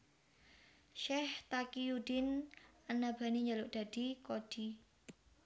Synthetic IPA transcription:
ʃɛht̪akijudɪnanab̥a̤niɲalʊʔd̪̥a̤d̪̥ikod̥i

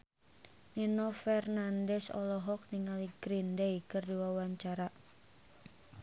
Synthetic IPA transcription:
ninɔfɛrnandɛsɔ̰lɔɦɔk̚niŋaliɡɾindeikɨrdiwawaɲt͡ʃaɾa

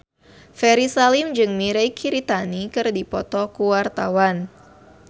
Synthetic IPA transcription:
fɛɾisalimd͡ʒɨŋmiɾɛjkʰiɾit̪anikɨrdipɔt̪ɔkuwart̪awan

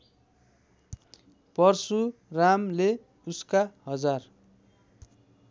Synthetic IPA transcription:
pʌrsuramle | uskaɦʌd͡zar

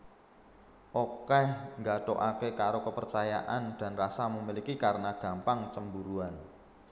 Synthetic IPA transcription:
ʔokɛhŋɡaɖ̪̥oʔakekaɾokəpərt͡ʃajaʔand̪̥a̤nrasamumilikikaɾənaɡ̥a̤mpaŋt͡ʃəmbuɾuan

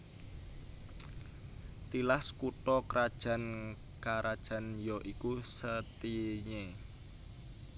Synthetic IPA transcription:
t̪ilaskuʈɔkɾʔad̥ʒ̥ä̤n | kaɾʔad̥ʒ̥ä̤njɔʔikusət̪iɲe

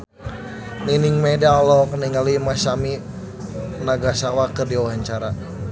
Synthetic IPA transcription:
niniŋmɛdalɔk̚niŋalimasami | naɡasawakərdiwaɦaɲt͡ʃaɾa

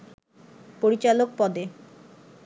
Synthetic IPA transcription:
poɾit͡ɕalok̚pɔd̪e

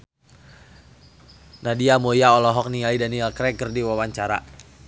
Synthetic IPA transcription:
nadiamojaɔlɔɦɔk̚nialidaniɛlkɾɛkərdiwawaɲt͡ʃaɾa̰

